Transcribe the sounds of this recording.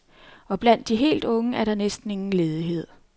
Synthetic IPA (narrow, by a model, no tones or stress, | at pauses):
ɒ̽b̥læn̰d̥ːiɦe̝̰ːld̥ɔ̽ŋəæɐɾ̥ɑ̈nesd̥n̩e̝ŋn̩le̝ːð̞ˠiɦe̝ð̞̰ˠ